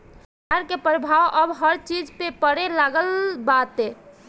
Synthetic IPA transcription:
aɾkepɾəbʱawʔəbɦəɾt͡ʃid͡ʒpepəɽelaɡəlbat̪ɦe

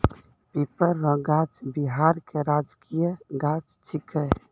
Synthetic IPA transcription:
pepəɾːɔ̃ɡad͡ʒbiɦaːɾkeɾaːd͡ʒkijəɡad͡ʒt͡ʃʰikə

